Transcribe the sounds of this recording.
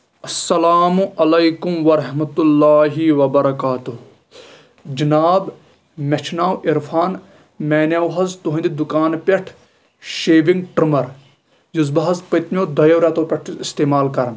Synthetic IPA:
ɐsːɐlaːmuʔɐlɐjkumʋɐɾɐɦmɐt̪ulːaːɦiʋɐbɐɾɐkaːt̪uɦ | d͡ʒɐnaːb | mɐt͡ʃʰnaːwʔiɾfʰaːn | mɛːnawɦɐzt̪uɦɐ̃nd̪id̪ukaːnpʲɐʈʰ | ʃeːʋiŋɡʈɾɐmɐɾ | juzbɐɦɐzpɐt̪nʲjoːd̪ɐjɐwɾat̪oːpʲɐʈʰist̪eːmaːlkɐɾn

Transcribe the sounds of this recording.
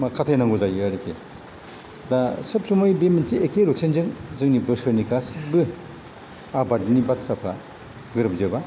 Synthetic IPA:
makʰatʰajnaŋɡuzajɯɾikʰe | dasɯp̚sumojbeminsiekʰeɾusʰenzɯŋzɯŋnibɯsɯɾnikasibɯ | abadnibat̚sapʰɾa̰ | ɡɯɾɯp̚zɯba

